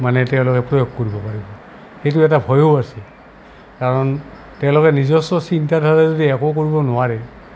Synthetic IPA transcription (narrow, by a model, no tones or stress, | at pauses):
manɛtɛʊ̃lɔkɛpɹɔjoɡkoɹibɔpaɹibɔ | xejtʊɛtabʱɔjoasɛ | kaɹɔn | tɛʊ̃lɔkɛnizɔstɔsintadʱaɹɛzudiɛkokoɹibɔnʊwaɹɛ